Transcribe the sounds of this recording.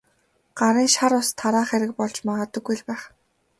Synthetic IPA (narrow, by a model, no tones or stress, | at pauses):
ɢ̥aɾiːŋʃaɾʊst̪ʰːaɾaːχeɾɪ̆k̚pɔɮt͡ɕmaʁə̆t̪ə̆ɡːujɮpæːχ